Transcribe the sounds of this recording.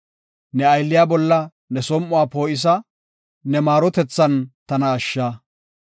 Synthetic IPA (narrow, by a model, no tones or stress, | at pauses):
nɛɐjlːɪjaːbɔlːɐ | nɛsɔmʔʊwaːpo̞ːʔɪs̬ɐ | nɛmaːɾɔt̪ɛt͡sːɐnt̪ɐnɐːʃːaː